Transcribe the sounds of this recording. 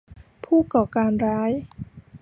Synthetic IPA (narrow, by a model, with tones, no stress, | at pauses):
pʰuː˥˩kɔː˨˩kaː˧nɾaː˦˥j